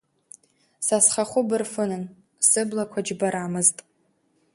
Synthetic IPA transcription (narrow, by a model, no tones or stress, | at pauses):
sasχaχʷʊbɨrfɨnɨn | sɨblakʷʰad͡ʒbaɾaːmɨztʼ